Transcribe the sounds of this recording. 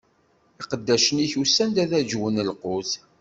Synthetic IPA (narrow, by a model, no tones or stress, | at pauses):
iqəd̪ːæʃəniçusːænd̪æðæd͡ʒwənəlqʊz